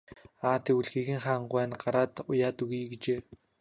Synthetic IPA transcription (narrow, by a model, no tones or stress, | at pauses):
aːt̪ʰeuɮxiːɣɘ̆ŋχaːɴɢʊæːnɢaɾaːt̪ʊjaːt̪uɣiːɡet͡ɕeː